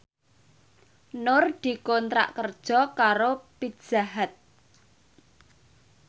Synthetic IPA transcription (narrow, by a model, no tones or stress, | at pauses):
nʊrd̪̥i̤kɔnt̪ɾa̰ʔkərd̥ʒ̥ɔ̤kaɾopi̥ʒ̥aɦat̪̚